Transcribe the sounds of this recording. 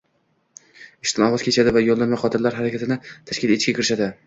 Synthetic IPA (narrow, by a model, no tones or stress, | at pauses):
ɪʃt̪ʰɪnɒʁɨzkʲʰe̞t͡ʃʰad̪ɪvajolˠːanmajχɒt̪ʰɪɾlaɾɦaɾakʲʰat̪ʰɪnɪt̪ʰaʃkʲɪleɪʃkʲakʰʲɪɾɪʃad̪ɪ